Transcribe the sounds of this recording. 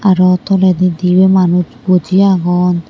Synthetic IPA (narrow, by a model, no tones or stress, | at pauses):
aɾɔt̪ɔlɛd̪id̪iwɛmanutbod͡ʒiaɡɔn